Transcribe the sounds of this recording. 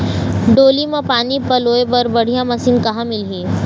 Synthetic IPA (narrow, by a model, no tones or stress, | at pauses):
ɖoːlimãpaːnipɐloːepɐɾbɐɽ̤ijãmɐsiːnkɐɦãmɪlɦiː